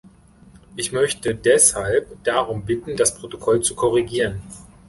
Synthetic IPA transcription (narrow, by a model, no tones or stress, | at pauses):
ʔɪçmœçtədɛshalpd̥aʁ̞ʊmbɪtn̩daspʁ̥otokʰɔlt͡sukʰɔʁ̞iɡiːʁən